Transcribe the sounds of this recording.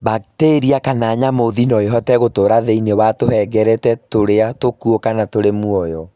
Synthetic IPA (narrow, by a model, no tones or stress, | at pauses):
bateːɾiakanaːɲamoðinɔeɦɔtɛɣotoɾaðeinewatohɛɡɛɾɛtɛtoɾeatokuokanatoɾemuɔjɔ